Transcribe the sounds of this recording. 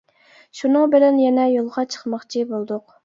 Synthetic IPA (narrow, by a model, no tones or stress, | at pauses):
ʃunɨŋbɪlɛnjɛnɛjolˠʁɑt͡ʃʰə̥χmɑχt͡ʃʰibolˠd̪ʊq